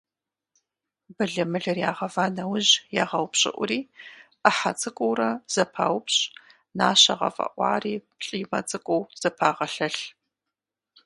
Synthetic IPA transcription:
bɐɮɐmɨɮɐrjaːʁɐvaːnɐwʊʑjaːʁɐwpɕʼɪ̰ʔʷʊɾiː | ɐħat͡sʼɨkʷʼowrɐz̥ɐpʰa̰ːwpɕʼ | naːɕɐ̰ʁɐ̰fʼɐ̰ʔʷɑ̰ːriːpɬʼiːmɐ̰t͡sʼɨkʷʼɔwz̥ɐpʰaːʁɐɬɐɬ

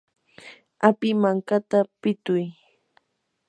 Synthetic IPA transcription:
apɪmaŋkat̪apɪt̪ʊj

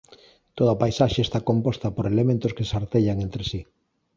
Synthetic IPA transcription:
t̪oðapajsaʃest̪akompost̪apoɾelemẽnt̪oskesaɾt̪eʎaŋent̪ɾesi

